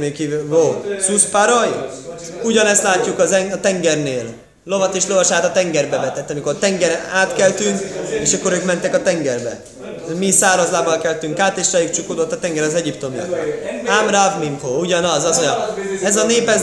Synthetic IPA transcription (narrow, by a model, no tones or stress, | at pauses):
mekiːyvoːsuspaɾoj | uɟɒnɛst̪laːcːukɒzɛŋɒt̪ɛŋɡɛrneːlː | o̞vɒt̪eːʃlo̞vɒʃaːt̪ɒt̪ɛŋɡɛrbɛvɛt̪ɛt̪ːɒmiko̞rt̪ɛŋɡɛɾɛaːt̪kɛlt̪yŋkeːʃɒkːo̞ɾøːkmɛnt̪ɛkɒt̪ɛŋɡɛrbɛ̰ | misaːɾɒzlaːbɒlkɛlt̪yŋkaːt̪eːʃrɛjikt͡ʃukoːd̪ot̪ːɒt̪ɛŋɡɛɾɒzɛɟipt̪o̞miɒ̰t̪ːamravmimkouɟɒnɒzɒzoɲɛzɒneːpɛz